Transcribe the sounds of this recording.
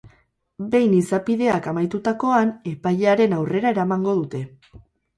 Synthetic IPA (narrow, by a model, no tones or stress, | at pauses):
be̞jnisapiðe̞akamajt̪ut̪ako̞ane̞pajʎeaɾe̞nawre̞ɾaeɾamaŋɡo̞ð̞ut̪e̞